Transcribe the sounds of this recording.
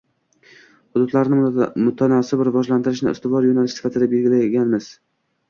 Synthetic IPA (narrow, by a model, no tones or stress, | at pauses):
hʊd̪ʊd̪laɾnɪmʊt̪ʰanɒsɪbɪɾvɒʒlant̪ʰɪɾɪʃnɪ̰ɪ̰st̪ɪvɒɾjonalɪʃsɪ̥fat̪ʰɪd̪abe̞lɡʲɪlajɡʲanmɪz̥